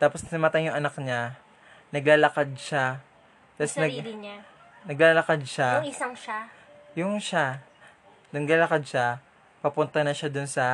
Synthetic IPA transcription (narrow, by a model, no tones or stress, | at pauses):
t̪aːposnɐmɐt̪ajjʊŋʔɐnak̚ɲa | nɐɡlaːlɐkad̪̚ʃa | t̪asnɐɡɲa | nɐɡlaːlɐkad̪̚ʃaɪsaŋʃa | jʊŋʃa | nɐɡlaːlɐkad̪̚ʃa | pɐpʊnt̪ɐnɐʃad̪ʊnsɐ